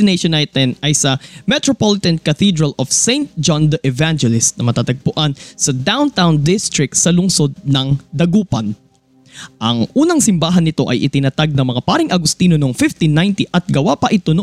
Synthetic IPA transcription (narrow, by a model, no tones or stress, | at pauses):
ɪneʃonajt̪ɛnɐjsɐmɛt̪ɹopolɪt̪ɐnkɐθid̪ɹɐlʔofsejnt̪̚d͡ʒɔnd̪ɐʔɛvand͡ʒɛlɪst̪̚nɐmɐt̪aːt̪ɐɡ̚pʊʔansɐd̪awnt̪awnd̪ɪst̪ɹɪk̚t̪sɐlʊŋso̞d̪̚nɐŋd̪ɐɡuːpɐn | ʔɐŋʔuːnɐŋsɪmbaːɦɐnːɪt̪o̞̰ʔɐ̰jʔɪ̰t̪ɪnɐt̪aɡ̚nɐŋmɐŋapaːɾɪŋʔɐɡʊst̪iːnonoŋfɪft̪inːajnt̪iʔɐt̪̚ɡɐwapɐʔɪt̪ono